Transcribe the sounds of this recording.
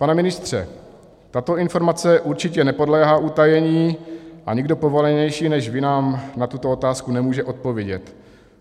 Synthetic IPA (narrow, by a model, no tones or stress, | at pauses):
panɛmɪnɪst̪r̝̥ɛ̰ | t̪at̪o̞ɪnfo̞ɾmat͡sɛʔuɾt͡ʃɪcɛnɛpo̞dlɛːɦaːʔut̪ajɛɲiːʔaɲɪɡdo̞po̞vo̞lɛɲɛjʃiːnɛʃvɪnaːmnat̪ut̪oo̞t̪aːskunɛmuːʒɛʔo̞t̪̚po̞vjɛɟɛt̪